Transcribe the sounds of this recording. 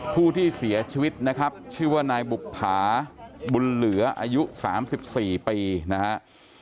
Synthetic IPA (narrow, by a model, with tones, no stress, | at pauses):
pʰuː˥˩t̪ʰiː˥˩si˩˦ɐt͡ɕʰi˧wi˦˥t̪̚na˦˥kʰa˦˥p̚t͡ɕʰɯː˥˩waː˥˩naː˧jbu˨˩ppʰːaː˩˦bu˧nlɯ˩˦ɐʔaː˧ju˦˥saː˩˦msi˨˩p̚siː˨˩piː˧na˦˥ha˦˥ʔ